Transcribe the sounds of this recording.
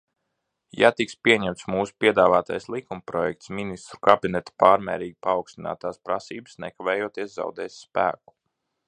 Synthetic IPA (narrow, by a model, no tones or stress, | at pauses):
ja̰t̪ikspiɛɲɛmt̪smuːsu̥piɛd̪aːvaːt̪a̰jslˠikumpɾɔjɛkt̪sminist̪ɾukabinɛt̪ḁpaːɾmɛ̰ːɾiːɡpaːwkst̪ina̰ːt̪aːspɾasḭːbəsnɛkavɛːjuɔt̪iɛsza̰wd̪ɛːsspæ̰ːku̥